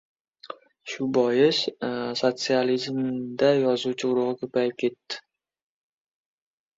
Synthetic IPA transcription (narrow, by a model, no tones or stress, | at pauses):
ʃʊbɒjɪssot̪sɨalizmd̪ajɒzuwt͡ʃʰɪʊɾʊʁɨkʰɵpajɪp̚kʲʰe̞t̪ːɪ̥